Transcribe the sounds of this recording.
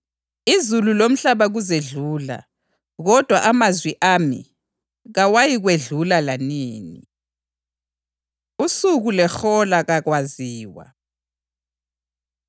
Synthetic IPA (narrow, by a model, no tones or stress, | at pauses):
izululom̩ɬaβaɣuzeɮuːla̰ | ɣɔd̥ʱwaʔamazwiʔaːmḭ | ɣawajiɣweɮulalaniːnḭ | usuɣulɛxɔlaɣaɣwaziːwa̰